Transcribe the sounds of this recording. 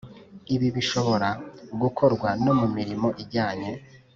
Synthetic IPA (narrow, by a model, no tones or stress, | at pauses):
iβiβiʃo̞βo̞ɾaɡukʰo̞ɾɡwano̞mumiɾimo̞ʔiɟaːɲe̞